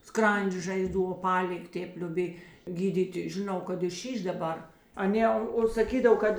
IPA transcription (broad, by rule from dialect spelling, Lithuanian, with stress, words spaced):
ˈskrɐnʲd͡ʒʲeː ʒɐɪˈzduː oːˈpɑːlʲɪkʲ ˈtʲeːp lʲoːˈbʲeːj ɡʲiːˈdʲiːtʲɪ ʒʲɪˈnɐʊ kɐt ɪ ˈʃʲiːʃ dɐˈbɐr ɐˈnʲeː oː sɐˈkʲiːdɐw ˈkɐt